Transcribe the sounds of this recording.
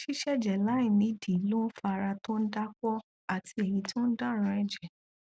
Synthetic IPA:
ʃi˦ʃɛ˦˨d͡ʒɛ˨la˨˦ĩ˦˨nĩ˨˧˦di˨˦lo˦n̩˦fa˧ɾa˧tõ˦n̩˦da˦kɔ˦ | a˦˨tʰi˧ɛ˨jĩ˧˦tʰõ˦n̩˦da˦˨ɾ̃ã˧˦ɛ˧d͡ʒɛ˨

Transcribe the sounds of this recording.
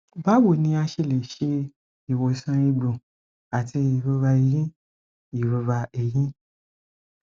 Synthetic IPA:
ba˦wo˦˨nĩ˧˦a˧ʃe˧˨le˨ʃe˧ | i˨wo˨sã˧˦i˧ɡ͡bũ˨ | a˨ti˧i˨ɾo˧ɾa˧i˧˨jĩ˦ | i˨ɾu˨ɾa˧e˦˨jĩ˦

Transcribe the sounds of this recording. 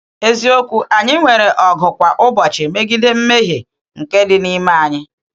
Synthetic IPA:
e˦zi˦o˦kʷu˦ʔa˨ɲɪ˦ŋʷe˨ɾe˨ʔɔ˨ɡʊ˨kʷa˨ʔʊ˦bɔ˨t͡ʃɪ˨me˦ɡi˦de˦m̩˦me˦ɦe˨ | ŋ̩˨ke˦dɪ˨ni˦ma˨a˨ɲɪ˦

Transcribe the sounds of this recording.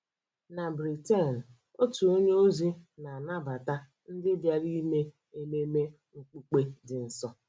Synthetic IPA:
na˨bɾi˨te˦˨n̩˨ | o˦tu˨o˦ɲe˦o˦zi˦na˨na˦ba˨ta˦ | n̩˦dɪ˦bja˦ɾi˦me˦ | e˦me˦me˦ | ŋ̩˨k͡pu˨˦k͡pe˦dɪ˨n̩˨sɔ˦

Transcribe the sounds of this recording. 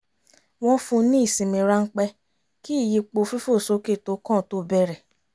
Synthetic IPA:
w̃ɔ̃˦fũ˧nĩ˦i˦˨sĩ˨mĩ˧ɾa˦ŋ̩˦k͡pɛ˧ | ki˦˨ji˧k͡po˧fi˦fo˦˨so˦ke˦˨to˨˦kɔ̃˦˨to˦bɛ˧˦ɾɛ˨

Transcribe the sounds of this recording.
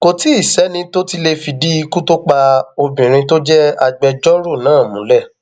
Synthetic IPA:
ko˨ti˨˦i˦˨sɛ˨˦nĩ˧to˦ti˧le˧fi˧di˦i˦˧˦ku˦to˦k͡pa˧o˧bĩ˨ɾ̃ĩ˧to˦d͡ʒɛ˦a˧ɡ͡bɛ˧d͡ʒɔ˦ɾo˦˨nãː˨˦˨mũ˨˦lɛ˦˨

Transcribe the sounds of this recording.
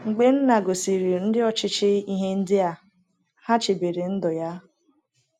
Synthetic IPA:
ŋ͡m̩˨ɡ͡be˦n̩˦na˨ɡo˨si˨ɾi˨o˨n̩˦dɪ˦ɔ˨t͡ʃɪ˦t͡ʃɪ˦i˦ɦe˦n̩˦dɪ˦a˦ | ha˦t͡ʃɪ˨be˨ɾe˨n̩˦dʊ˨ja˦

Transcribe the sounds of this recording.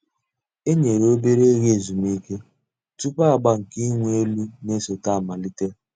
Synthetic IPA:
e˦ɲe˨ɾo˦be˦ɾe˦ɣe˦˨zu˨mi˦ke˦ | tu˦pa˦a˨ɡ͡ba˦ŋ̩˨ki˦ŋʷ˦e˦lu˦ne˦so˨ta˦˨ma˨li˦te˦

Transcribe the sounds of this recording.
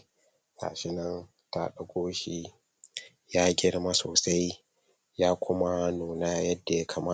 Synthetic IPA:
ka̰ː˨ʃɪ˦nɐ˦n | ta̰˦ɗɐ˦ɡʷoː˦ʃi˦ | jaː˦ɡʲɪ˦ɽma˦soː˨sa˦j | jaː˦kʷʊ˦ma˦noː˨na˦jɐ˦dːa˨ja˦kʰa˨maː˦˨

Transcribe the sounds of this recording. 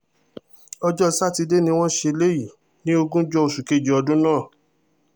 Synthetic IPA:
ɔ˧d͡ʒɔ˦˧sa˦˨ti˧de˦nĩ˧w̃ɔ̃˦ʃe˧le˦ji˦˨ | nĩ˦o˧ɡũ˦d͡ʒɔ˧o˧ʃu˨ke˦˨d͡ʒe˨ɔ˧dũ˦nãː˦˨

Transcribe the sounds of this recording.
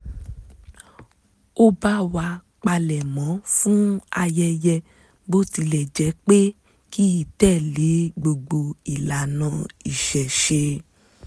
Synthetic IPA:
o˦ba˦wa˧ | k͡pa˧lɛ˨mɔ̃˨˦fũ˦a˧jɛ˧jɛ˧ | bo˦ti˧lɛ˨d͡ʒɛ˨˦k͡pe˦ | ki˦i˦˨tɛ˦˨le˨˦ɡ͡bo˧ɡ͡bo˧i˨la˨nã˨˧˦i˨ʃɛ˨ʃe˧

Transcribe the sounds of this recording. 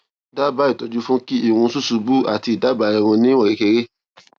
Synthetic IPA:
da˦ba˦i˨tɔ˧d͡ʒu˦fũ˦ki˦i˦˨wũ˧˦su˦˨su˧bu˦a˨ti˧i˨da˦ba˧ɛ˧˨ɾ̃ũ˧nĩ˦wɔ̃˦˨ɾe˨˦ke˧ɾe˦

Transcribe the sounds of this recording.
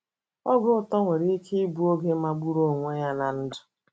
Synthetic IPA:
ɔ˦ɡʊ˦ʊ˨tɔ˦ŋʷe˨ɾi˦i˦kʰe˦i˦bu˦o˦ɡe˦ma˦ɡ͡bu˦ɾo˦˨ŋʷe˦ja˦na˨n̩˦dʊ̥˨

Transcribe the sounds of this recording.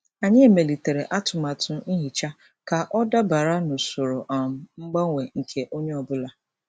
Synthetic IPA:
a˨ɲɪ˦e˨me˨li˨te˨ɾe˨ʔa˦tʰʊ˨ma˨tʰʊ˨˦n̩˦ɦi˨t͡ʃa˦ | ka˨ʔɔ˦da˦ba˨ɾa˦nʊ˨sʊ˨ɾʊ˨ʔa˨m̩˨ŋ͡m̩˦ɡ͡ba˦ŋʷe˨ŋ̩˨kʰe˦ʔo˦ɲe˦ɔ˨bʊ˦la˦

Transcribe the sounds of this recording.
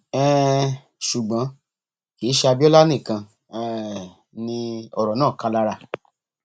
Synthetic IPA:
ɛ˦˨ | ʃu˨ɡ͡bã˨˦ | ki˨˦ʃɛ˧a˧bi˦ɔ˦la˦nĩ˦˨kã˧ | ɛ˦˨˦ | nĩ˧ɔ˧˨ɾɔ˨nãː˦˨ka˧la˦˧ɾa˧˨

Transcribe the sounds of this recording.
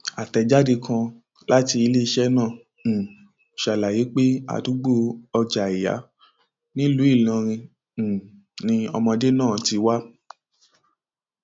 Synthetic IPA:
a˨tɛ˨d͡ʒa˦de˧kʰã˧ | la˦ti˧i˧le˦i˧ʃɛ˦nãː˦˨ | ʃa˨la˨je˨˦k͡pe˦a̰˦˨du˨˦ɡ͡bo˦ɔ˧d͡ʒa˨i˨ja̰˨˦ | nĩ˦lu˨˦i˦˨lɔ̃˧ɾ̃ĩ˧˨ | nĩ˧ɔ̰˧mɔ̃˧de˦nãː˦˨ti˧wa˦

